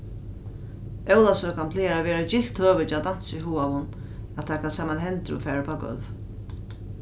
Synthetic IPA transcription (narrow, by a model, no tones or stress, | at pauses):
ɛwlasœːkanpʰleːaɾaʋɛːɾad͡ʒɪl̥t̪høːʋɪt͡ʃad̪an̥siɦuːavʊn | at̪ʰakʰansaːmanɦɛnt̪ɾʊ̰fɛːɾapʰaːɡœ̰lv